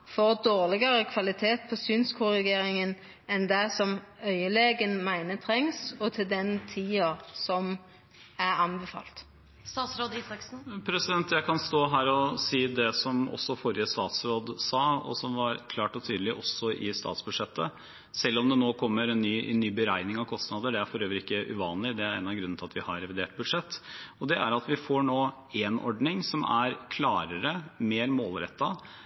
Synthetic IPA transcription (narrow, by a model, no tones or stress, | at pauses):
fɔʁd̪oːʁlɪɡəɾəkʰʋɑlɪt̪ʰeːt̪̚pʰɔsynskʰʊʁɪɡeːɾɪŋən | ɛnd̪æsɔmœʏəleːɡənmæɪnət̪ʰɾɛŋsɔt̪ʰɪld̪ɛnt̪ʰiːɑsɔm | æɾɑnbɛfɑ̰ːlt̪ | st̪ɑːsɾoːd̪ɑk̩pʰɾɛsɪd̪ɛnt̪jæɪkʰɑnst̪oːɦæːɾɔsiːd̪ɛsɔmɔ̰sːɔfɔɾɪəst̪ɑ̰ːt̪sɾoːd̪sɑːɔ̰sɔmʋɑɾkʰlɑːʈɔt̪ʰyːd̪lɪʔɔsɔʔɪst̪ɑ̰ːt̪sbʉd̪ʂɛt̪ːə | sɛlːɔmd̪ɛnoːkʰɔmːəɾɛnːyːʔnːyːbəɾæɪnɪŋɑʋkʰɔst̪nɑːd̪əɖɛæɾfɔɾøːʋəɾɪkːəʔʉ̰ʋɑːnlɪd̪ɛæɾɛːnɑʋɡɾʉn̩ːʰɪlɑt̪ʋɪhɑɾɾɛʋɪd̪eːʈ̚bʉd̪ʂɛt̪ːɔd̪ɛʔæɾɑt̪ʋɪfoɳoː | enɔ̰ɖɳɪŋsɔmæɾkʰlɑːɾəɾəmeːɾmoːlɾɛ̰t̪ːɑ